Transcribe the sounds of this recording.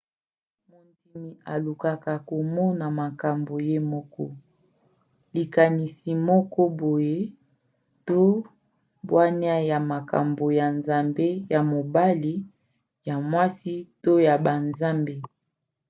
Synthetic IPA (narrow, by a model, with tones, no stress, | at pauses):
mo˨nti˨mi˨a˨lu˨ka˨ka˨ko˨mɔ˦na˨ma˨ka˨mbo˨je˦mɔ˦kɔ˦ | li˨ka˨ni˨si˨mɔ˦kɔ˦bo˨je˦ | to˦ | bwa˦ni˦a˦ja˨ma˨ka̰˨mbo˨ja˨nza˨mbe˦ja˨mo˨ba˦li˦ | ja˨mwa˦si˦to˦ja˨ba˨nza˦mbe˦